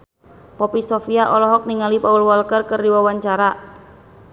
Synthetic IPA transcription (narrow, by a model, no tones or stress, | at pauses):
pɔpisofiaʔɔlɔɦɔk̚niŋalipaulwɔlkərkərdiwawaɲt͡ʃaɾa